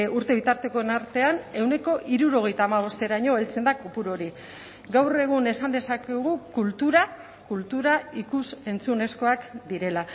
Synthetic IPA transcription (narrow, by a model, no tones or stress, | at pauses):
uɾt̪e̞β̞it̪aɾt̪e̞ko̞enaɾt̪e̞ane̞wne̞ko̞ʔiɾuɾo̞ɣ̞e̞jt̪aːmaβ̞o̞st̪e̞ɾaɲo̞elt͡se̞nd̪akopuɾo̞ɾi | ɡawre̞ɣ̞une̞sand̪e̞sakeɣ̞ukult̪uɾa | kult̪uɾaikuse̞nt͡sune̞sko̞akd̪iɾe̞la